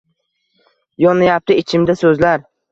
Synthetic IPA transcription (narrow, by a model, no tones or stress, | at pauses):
jɒnajap̚t̪ɪɪt͡ʃʰɪmd̪asɵzlaɾ